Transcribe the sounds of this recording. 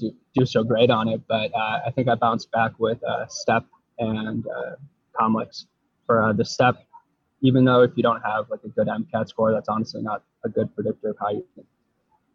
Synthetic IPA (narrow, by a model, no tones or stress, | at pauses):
d̥ɨd̥ɨsoʊɡɹeɪɾn̩ɪt̚b̥ʌɾʌaɪθɪ̃ŋkaɪbãʊ̃nsb̥ækwɪð̥ʌ̰stɛp̚ | ɨ̃nʌ̰ | kʰɑmləks | fə˞ʌðɨstɛp̚ | ivɨ̃nðoʊɨfjɨɾõʊ̃t̚həvlaɪkɨɡʊɾæ̃mkʰætskɔɹðætsɑnəstˡlḭnəɾ | əɡʊd̚pʰɹ̥ɨdɪk̚tə˞əv̥haɪjɨɪ̃n